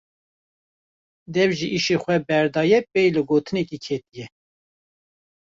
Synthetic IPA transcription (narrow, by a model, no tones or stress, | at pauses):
d̪ɛvʒiʔiʃexʷɛbɛɾd̪ɑːjɛpɛjlɨɡoːt̪ʰɨnɛkikʰet̪ijɛ